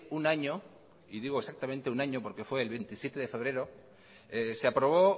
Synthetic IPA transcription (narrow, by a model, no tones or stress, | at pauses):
unaɲo̞ | iðiɣ̞oesak̚t̪ament̪eunaɲo̞po̞ɾke̞fwe̞ːlβe̞nt̪isje̞t̪e̞ðe̞fe̞β̞ɾe̞ɾo̞ | eseapɾo̞β̞o̞